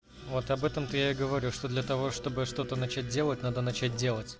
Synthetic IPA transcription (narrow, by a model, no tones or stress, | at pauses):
vo̞t̪ɐbɛt̪əmt̪ɨjaɪɡəvɐɾʲuʂt̪o̞d̪lʲɐt̪ɐvo̞ʂt̪o̞bɨʂt̪o̞t̪ənɐt͡ɕæt̚ʲdʲe̞lˠət̚ʲnad̪ənɐt͡ɕæt̚ʲdʲe̞lˠətʲ